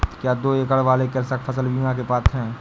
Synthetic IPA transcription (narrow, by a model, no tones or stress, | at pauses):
kjaːd̪oːeːkəɽʋaːlekɪɾsəkfʰɐsəlʋiɡãk̬epaːt̪ʰɦɛ̃ː